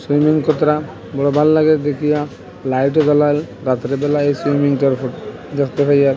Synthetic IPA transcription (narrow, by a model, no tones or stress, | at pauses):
simiŋkɔt̪ɾa | bɔɽɔbʱalːaɡeɾd̪ekʰija | lajʈ̬ɔɡɔlal | ɾat̪ɾebɛlaejsɾimiŋʈaɾfʰuʈ | d̪ekt̪et̪ʰaja